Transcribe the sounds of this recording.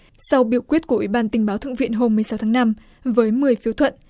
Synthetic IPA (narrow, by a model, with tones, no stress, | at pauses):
sa˧wɓi˧˩əwkwi˦˥t̚ku˧˩ʔi˧˩ɓaː˧nt̪ï˩ŋ̟ɓaː˨˦wt̪ʰɨ̰˧˨ŋvḭ˧˨ənɦo˧mːɨ˨˩əjsa˨˦wt̪ʰaː˨˦ŋna˧m | vəː˨˦jmɨ˨˩əjfi˨˦wt̪ʰwə̰˧˨n